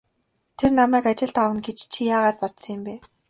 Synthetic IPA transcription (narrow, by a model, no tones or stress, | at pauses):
t̪ʰernamæːkat͡ɕɪ̆ɮt̪awə̆nɡet͡ɕt͡ɕʰijaːʁaːt̪̚pɔt̪sɞ̆ŋɪ̆mpeː